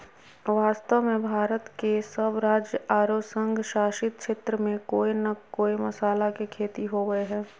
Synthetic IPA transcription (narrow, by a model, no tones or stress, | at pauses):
ʋaːst̪əʋmẽbʱaːɾət̪kesəbɾaːd͡ʒjəʔaːɾosə̃ŋɡʱʃaːʃɪt̪̚ʃeːt̪ɾəmẽkoːinɐkoːimɐsaːlakekʰeːt̪iɦoːɡəeɦɛ̃ː